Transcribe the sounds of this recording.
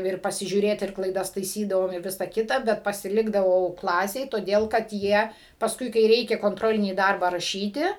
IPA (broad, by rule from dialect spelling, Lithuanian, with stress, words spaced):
ˈɪr pɐsʲɪʒʲuːˈrʲeːt ɪr klˠɐɪˈdɐs tɐɪˈsʲiːdɐʋoːm ɪ ˈʋʲɪsɐ ˈkʲɪtɐ ˈbʲɛt pɐsʲɪˈlʲɪɡdɐʋɐʊ ˈklˠɑːsʲeːj toːˈdʲeːlˠ kɐt ˈjiɛ pɐsˈkʊɪ kɐɪ ˈrʲɛɪkʲɛ koːnˈtroːlʲɪnʲiː ˈdɐrbɑː rɐˈʃʲiːtʲɪ